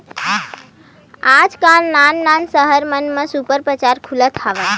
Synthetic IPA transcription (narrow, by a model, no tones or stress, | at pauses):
ad͡ʒkalnanːansəɦəɾmənmẽsupəɾpɾət͡ʃaɾkʰulət̪ʰɦaʋə